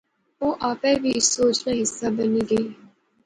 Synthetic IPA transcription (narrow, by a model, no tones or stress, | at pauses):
oːʔaːpɛ̃ːʋiːɪsːoːt͡ʃnẽːɦɪsːaːbəniːɡəiː